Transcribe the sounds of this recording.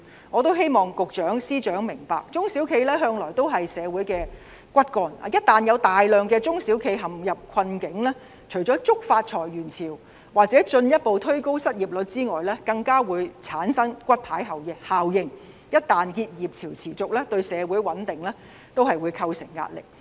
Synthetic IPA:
ŋɔː˨˧t̪o˥wɦe˥jmɔː˨ŋkʊ˨k̚t͡ʃœː˨˥ŋsiː˥t͡ʃœː˨˥ŋmɪ˨˩ŋpa̰ː˨k̚t͡sʊ˥ŋsiː˨˥wkʰe˧jlɛː˥ɦœː˧ŋlɔː˨˩jt̪o˥wɦɐ˨jsɛː˨˧wuː˨˥jkɛː˧ | kʷɐ˥t̚kɔː˧n̰ː˨˧jɐ˥t̚t̪aː˨njɐ˨˧wt̪aː˨jlœː˨ŋkɛː˧t͡sʊ˥ŋsi˨˥wkʰe˧jɦɐ˨˩mjɐ˨p̚kʰɐ˧nkɪ˨˥ŋlɛː˥ | t͡ʃʰɵ˨˩ɥt͡ʃɔː˨˥t͡sʊ˥k̚faː˧t̚t͡ʃʰɔː˨˩jɥyː˨˩nt͡sʰiː˨˩w | waː˨k̚t͡sɛː˨˥t͡ʃɵ˧njɐ˥t̚po˨wt̪ʰɵ˥ɥko˥wsɐ˥t̚jiː˨p̚lɵ˨˧t̚t͡siː˥ŋɔː˨jlɛː˥kɐ˧ŋkaː˥wuː˨˧jt͡sʰaː˨˥nsɐ˥ŋkʷɐ˥t̚pʰaː˨˥jɦɐ˨˩wjɪ˨˩haː˨wjɪ˨ŋ | jɐ˥t̚t̪aː˨nkiː˧t̚jiː˨p̚t͡sʰiː˨˩wt͡sʰiː˨˩t͡sʊ˨k̚lɛː˥t̪ɵ˧ɥsɛː˨˧wuː˨˥jwɐ˨˥nt̪ɪ˨ŋlɛː˥ | t̪o˥whɐ˨jwuː˨˧jkʰɐ˧wsɪ˨˩ŋːa̰ː˧t̚lɪ̰˨k̚

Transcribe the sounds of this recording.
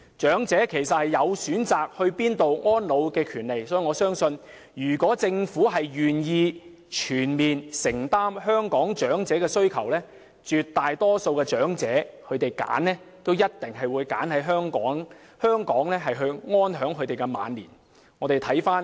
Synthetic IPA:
t͡ʃœː˨˥ŋt͡sɛː˨˥kʰe˨˩jsɐ˨t̚hɐ˨jːɐ˨˧wsyː˨˥nt͡saː˨k̚hɵ˧ɥpiː˥nt̪o˨wŋɔː˥nlo˨˧wkɛː˧kʰyː˨˩nle˨jsɔː˨˥ji˨ŋɔː˨˧sœː˥ŋsɵ˧n | jyː˨˩kɔː˨˥t͡sɪ˧ŋfuː˨˥ɦɐ˨jɥyː˨˩njiː˧ | t͡ʃʰyː˨˩nmiː˨nsɪ˨˩ŋt̪aː˥mhœː˥ŋkɔː˨˥ŋt͡ʃœː˨˥ŋt͡sɛː˨˥kɛː˧sɵ˥ɥkʰɐ˨˩wlɛː˥ | t͡ʃyː˨t̚t̪aː˨jt̪ɔː˥so˧wkɛː˧t͡ʃœː˨˥ŋt͡sɛː˨˥kʰɵ˨˧ɥt̪e˨jka̰ː˨˥nːɛː˥t̪o˥wjɐ˥t̚t̪ɪ˨ŋɦɐ˨jwuː˨˧jka̰ː˨˥nhɐ˨˥jɦœː˥ŋkɔː˨˥ŋ | hœː˥ŋkɔː˨˥ŋlɛː˥ɦɐ˨jɦɵ˧ɥŋɔː˥nɦœː˨˥ŋkʰɵ˨˧ɥt̪e˨jkɛ˧ma̰ː˨˧nliː˨˩n | ŋɔː˨˧t̪e˨jt̪ʰɐ˨˥jfaː˥n

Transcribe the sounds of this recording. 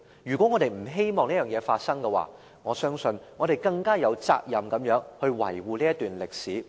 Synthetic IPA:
jyː˨kɔ˨˥ŋɔː˨˧ɾe˨˩jm̩˨˩ɦe˥jmɔː˨ŋniː˥jœː˨˩ŋjɛː˨˧faː˧t̚sɐ˥ŋkɛ˧wa̰ː˨ | ŋɔː˨˧sœː˥ŋsɵ˧nŋɔː˨˧ɾe˨jkɐ˧ŋkaː˥jɐ˨˧wt͡sa̰ː˧k̚jɐ˨mkɐ˨˥mjœː˨˥ŋhɵ˧ɥwɐ̰˨˩jwuː˨liː˥jɐ˥t̪yː˨nlɪ˨k̚siː˨˥

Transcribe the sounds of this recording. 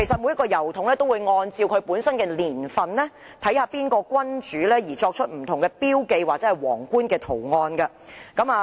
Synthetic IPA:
e˨˩jsɐ˨t̚mu˨˧jɐ˥kɔː˧jɐ˨˩wt̪ʰʊ˨˥ŋlɛː˥t̪o˥wu˨˧jŋɔː˧nt͡siː˧wkʰɵ˨˧ɥpuː˨˥nsɐ˥nkɛː˧liː˨˩nfɐ˨nlɛ˥ | t̪ʰɐ˨˥jhaː˧piː˥nkɔː˧kwɐ˥nt͡ʃyː˨˥lɛː˥jiː˨˩t͡ʃɔː˧k̚t͡ʃʰɵ˥t̚m̩˨˩t̪ʰʊ˨˩ŋkɛː˧piː˥wke˧jwaː˨k̚t͡sɛː˨˥hɐ˨˩jwɔː˨˩ŋkuː˥nkɛː˧t̪ʰo˨˩wŋɔː˧nɡɐ˧ | kɐ˨˥maː˧

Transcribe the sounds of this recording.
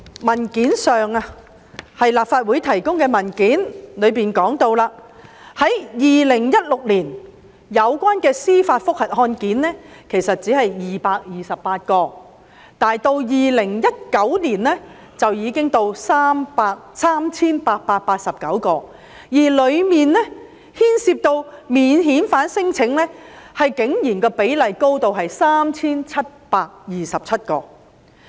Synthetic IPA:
mɐ˨˩nkiː˨˥nsœː˨˩ŋa˧ | hɐ˨jlaː˨˩p̚faː˧t̚wuː˨˥jt̪ʰɐ˨˩jkʊ˥ŋkɛː˧mɐ˨˩nkiː˨˥nlɵ˨˧ɥpiː˨nkɔː˨˥ŋt̪o˧wlaː˧hɐ˨˥jjiː˨lɪ˨˩ŋjɐ˥t̚lʊ˨k̚liː˨˩n | jɐ˨˧wkʷaː˥nkɛː˧siː˥faː˧t̚fʊ˥k̚hɐ˨t̚hɔː˧nkiː˨˥nːɛː˥kʰe˨˩jsɐ˨t̚t͡si˨˥hɐ˨jːiː˨paː˧k̚jiː˨˩sɐ˨ppːaː˧t̚kɔː˧ | t̪aː˨˩jt̪o˧wjiː˨˩lɪ˨˩ŋjɐ˥t̚kɐ˨˥wniː˨˩nɛː˥ | t͡sɐ˨wjiː˨˧kɪ˥ŋt̪o˧wsaː˥mpaː˧k̚saː˥mt͡sʰiː˥npaː˧t̚paː˧t̚paː˧t̚sɐ˨p̚kɐ˨˥wkɔː˧ | jiː˨˩lɵ˨˧ɥmiː˨nlɛ˥ | hiː˥nsiː˧p̚t̪o˧wmiː˨nɦiː˨˥nfaː˨˥nsɪ˥ŋt͡sʰɪ˨˥ŋlɛː˥hɐ˨jkɪ˨˥ŋjiː˨˩nkɛː˧pe˨˥jlɐ˨jko˥wt̪o˨wɦɐ˨jsaː˥mt͡sʰiː˥nt͡sʰɐ˥t̚paː˧k̚jiː˨sɐ˨p̚t͡sʰɐ˥t̚kɔ̰ː˧

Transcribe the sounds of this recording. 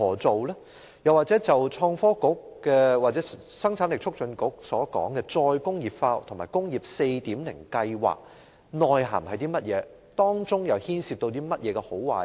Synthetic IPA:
ɔː˨˩t͡so˨wlɛ˥ | jɐ˨˩waː˨t̚t͡sɛ˨˥t͡sɐ˨˩wt͡ʃʰɔː˧ŋfɔː˥kʊ˨˥k̚ːɛː˧wa˨t̚t͡sɛː˨˦˥sɐ˥ŋt͡sʰaː˨˥nlɪ˨k̚t͡ʃʰʊ˥k̚t͡ʃʰɵ˨˧˥nkʊ˨˥k̚sɔː˨˥kɔ̰ː˨˥ŋkɛː˧t͡sɔː˧jkʊ˥ŋjiː˨p̚faː˧wt̪ʰʊ˨˩maː˨˩jkʊ˥ŋjiː˨˩p̚se˧jt̪iː˨˥mnlɪ̰˨˩ŋkɐ˧jwa̰ː˨k̚ | nɔː˨jɦa̰ː˨˩mhɐ˨jt̪iː˥mɐ˥t̚jɛː˨˧ | t̪ɔː˥ŋt͡sʊ˥ŋjɐ˨˩whiː˥nsiː˧p̚t̪o˧wt̪iː˥mɐ˥t̚jɛː˨˧kɛ˧ho˨˥wwaː˨˩j

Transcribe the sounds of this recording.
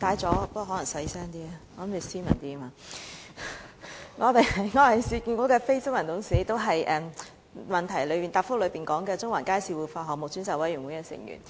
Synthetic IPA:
t̪aː˨˥jt͡sɔː˨˥˧pɦɔː˨˥lɐ˨˩ŋsɐ˨˥jsɛː˥ŋt̪iː˥ɐ˧ɔ˨˧˨mi˨˧siː˥mɐ̰˨˩nt̪iː˥˧maː˧ | ŋɔː˨˧t̪e˨˧jɐ˨jŋɔː˨˧ɐ˨jsiː˧kiː˧nkʷɔː˨˥kɛː˧fe˥jt͡sʊ˥ŋmɐ˨˩nt̪ʰʊ˨˥ŋsiː˨˥˦t̪o˥wɦɐ˨jʔɛː˨m | mɐ˨nt̪ʰɐ˨˩jlɵ˨˧ɥpiː˨nt̪aː˧pfʊ˥lɵ˨˧ɥpiː˨nkɔː˨˥ŋkɛː˧t͡sʊ˥ŋwɐ̰˨˩nkaː˥jsiː˧wuː˨˩faː˧ɦɔː˨k̚mʊ˨k̚syː˨˥nsɐ˨˥wɐ˨˥jy˨˩nwu˨˦jkɛː˧sɪ̰˨˩ŋjy̰ː˨˩n

